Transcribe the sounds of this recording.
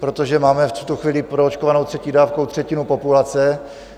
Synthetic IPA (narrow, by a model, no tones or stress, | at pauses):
pɾo̞t̪o̞ʒɛmaːmɛfu̥t̪uxviːlɪpɾoot͡ʃkovano̞wt̪r̥ɛciːdaːfkowt̪r̝̥ɛcɪnupo̞pulat͡sɛ